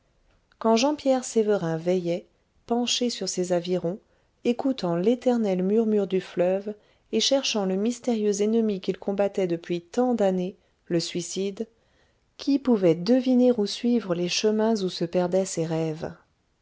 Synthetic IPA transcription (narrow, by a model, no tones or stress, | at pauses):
kɑ̃ʒɑ̃pjɛʁsevəʁɛ̃vɛjɛ | pɑ̃ʃesyʁsezaviʁɔ̃ | ekut̪ɑ̃let̪ɛʁnɛlmyʁmyʁd̪yflœv | eʃɛʁʃɑ̃ləmist̪eʁjøzɛnəmikʲilkɔ̃bat̪ɛd̪əpɥit̪ɑ̃d̪ane | ləsɥisid̪ | kʲʰipuvɛd̪əvineʁusɥivʁəleʃəmɛ̃zusəpɛʁd̪ɛseʁɛv